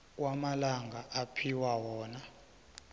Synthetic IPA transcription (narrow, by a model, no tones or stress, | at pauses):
k̬wamalaŋɡʱaʔapʰiwawɔːna